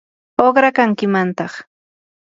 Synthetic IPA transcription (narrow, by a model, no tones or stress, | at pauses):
oχɾakaŋkɪmant̪ɑχ